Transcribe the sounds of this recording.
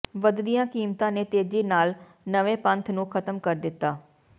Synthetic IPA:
ʋəd̪d̪ijãːkiːmt̪ãːneːt̪eːd͡ʒiːnaːl | nəʋẽːpə̃nt̪ʰnũːkʰət̪əmkəɾd̪ɪt̪ːaː

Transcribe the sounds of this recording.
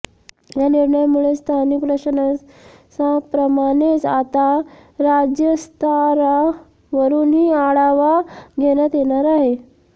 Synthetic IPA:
janiɾɳəjmuɭest̪ʰanikɾəɕəna | sapɾəmaɽet͡sat̪aɾad͡ʑjəst̪ʰaɾa | ʋəɾuːnɦiːaɭaʋaɡʱeɽjat̪jeɽ̃aɾaɦe

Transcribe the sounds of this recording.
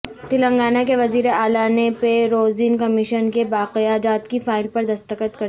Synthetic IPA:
t̪ɪlə̃ŋɡaːnakeʋɐziːɾeaːlanepeɾoːzinkɐmɪʃənkebaːqɪjaːd͡ʒaːt̪kifaːɪlpɐɾd̪ɐst̪əkət̪kɐ

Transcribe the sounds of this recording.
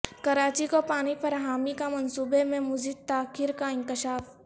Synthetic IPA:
kɐɾaːt͡ʃikopaːɽ̃ifɐɾɦaːmikamɐnsuːbemẽmʊd͡ʒid̪̚t̪aːkʰɪɾkaɪ̃ŋkɪʃaːf

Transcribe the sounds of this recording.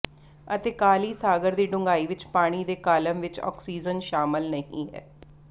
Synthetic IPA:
ət̪eːkaːliːsaːɡəɾd̪iːɖʊ̃ŋɡaːiːʋɪt͡ʃpaːɽ̃iːd̪eːkaːləmʋɪt͡ʃɔ̰ːksiːd͡ʒənʃaːmɪlnəɦḭ̃ːɦɛ̰ː

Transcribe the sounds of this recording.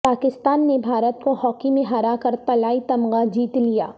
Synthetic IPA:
paːkɪst̪aːnːebʱaːɾət̪kohɔːkimẽɦaɾakɐɾt̪ɐlaːit̪ɐmɡad͡ʒiːt̪lija̰ː

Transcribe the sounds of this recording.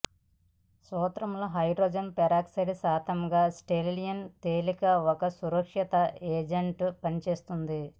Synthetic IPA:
sɔːt̪ɾɐmloːɦɐjɖɾoːd͡ʒɐnpɛɾaːksɐlisaːt̪ɐmɡaːsʈeːllijɐnt̪eːlikɐɔkɐsuɾɐkʂɐt̪ɐeːd͡ʒeɳʈpɐnit͡ʃe̞ːst̪und̪i

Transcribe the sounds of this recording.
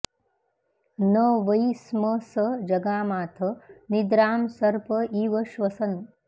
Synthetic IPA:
nɐʋɐjsmɐsɐd͡ʒɐɡaːmaːt̪ʰɐnid̪ɾaːmsɐɾpɐiːʋɐʃʋɐsɐn

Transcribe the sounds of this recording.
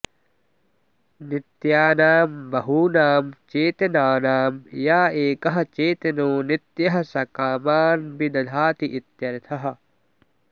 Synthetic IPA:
nit̪jaːnaːmbɐɦuːnaːmt͡ʃeːt̪enaːnaːmjaːeːkɐɦɐ̆t͡ʃeːt̪enoːnit̪jɐɦɐsɐkaːmaːnbinɐd̪ʱaːt̪iʔit̪jɐɾit̪ʰɐɦɐ

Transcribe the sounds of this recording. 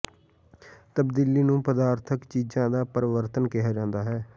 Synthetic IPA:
t̪əbd̪iːliːnũːpəd̪aːɾt̪ʰəkt͡ʃiːzãːd̪aːpəɾɪʋəɾt̪ənkɪɦaːd͡ʒãːnd̪aːɦɛː

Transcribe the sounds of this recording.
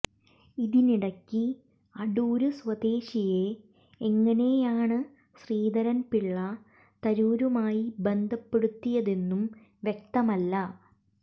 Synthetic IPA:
iðiniɽɐkːi | ɐɽuːɾuswɐd̪e̞ːɕije̞ː | ŋːɐne̞jaːɳɨ | ɕriːd̪ɐɾɐnpiɭːɐ | t̪ɐɾuːɾumaːjibe̞nd̪ʱɐpːe̞ɽut̪ːijɐðe̞nːum | ʋjek̚t̪ɐmɐlːɐ

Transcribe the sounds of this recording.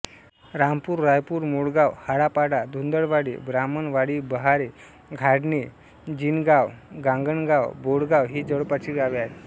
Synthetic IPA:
ɾampuːɾːajpuːɾmoɽɡawhaɽapaɽad̪ʱund̪əɽʋaɽḛbɾamənʋaɽiːbəɦaɾe | ɡʱaɽne | d͡ʑinɡawɡãŋɡəɳɡawboɽɡawɦiːd͡zəɭpat͡ɕiːɡaʋeaɦe

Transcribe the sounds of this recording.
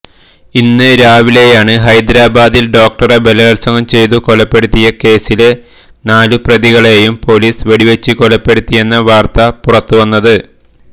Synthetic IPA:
inːɨɾaːʋile̞jaːɳɨɦɐjd̪ɾaːbaːd̪ilɖo̞ːk̚ʈɐrebelɐɐlsɐŋɐmt͡ɕe̞jt̪uko̞lɐpːe̞ɽut̪ːijɐke̞ːsil | naːluprɐðiɣɐɭe̞jumpo̞liːsʋeɽiʋet͡ɕːikolɐpːe̞ɽut̪ːije̞nːɐʋaːrt̪ɐpurɐt̪ːuʋɐnːɐðɨ

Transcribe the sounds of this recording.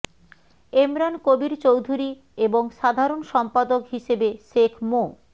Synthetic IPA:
emɾankobiɾt͡ɕowd̪ʱuɾi | eboŋʃad̪ʱaɾonʃɔmpad̪okɦiʃebeʃekʰmo

